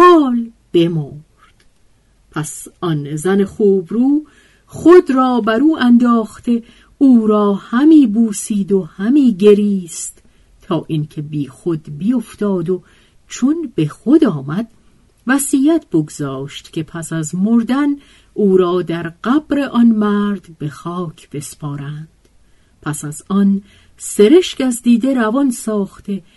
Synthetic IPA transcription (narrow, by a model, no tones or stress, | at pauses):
hɒːl | b̥e̞moː | ɾd̪̥ | pʰæsʔɒnzæne̞χoːbɾuː | χod̪ɾɒːbæɾuːʔænd̪ɒːxt̪e̞ | uːɾɒːhæmiːbuːsiːd̪o̞hæmiːɟe̞ɾiːst̪ | t̪ʰɒːʔincʰe̞biːxod̪bijoft̪ɒːd̪o | t͡ʃʰonb̥e̞xo̞d̪ɒːmæd̪̥ | væsiːjæt̪ʰb̥oɡzɒːʃt̪cʰʲe̞pʰæsæzmoɾd̪æn | ʔuːɾɒːd̪æɾɢæb̥ɾe̞ʔɒnmæɾd̪be̞xɒːkʰb̥e̞spɒːɾænd̪̥ | pʰæsæzɒn | se̞ɾe̞ʃkæzd̪iːd̪e̞ɾævɒnsɒːxt̪e